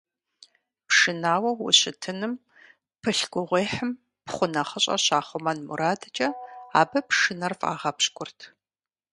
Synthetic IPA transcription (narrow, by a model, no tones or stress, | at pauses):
pʂɨnaːwɐwʊ̰ɕɪtʰɨnɨm | pʰɨɬɡʷʊʁʷeːħəm | pχʷʊnɐχəɕʼɐ̰ɕaːχʷʊmɐnmṵɾaːdɐt͡ʃʼɐaːbɐpʂɨnɐrfʼa̰ːʁɐpɕkʷʼʊrtʰ